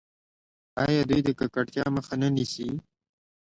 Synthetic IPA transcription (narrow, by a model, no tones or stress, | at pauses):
ɑjɑd̪ujd̪əkakaʈt̪jɑməxanənisi